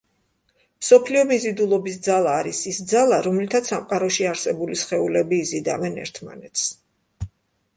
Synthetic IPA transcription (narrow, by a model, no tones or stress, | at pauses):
msɔpʰliɔmizid̪ulˠɔbis̬d̪zalˠaːɾisisd̪zalˠaɾɔmlit̪ʰat̪samqʼaɾɔʃiaɾsɛbulisχɛulɛbiːzid̪avɛnɛ̰ɾt̪ʰma̰nɛt̪s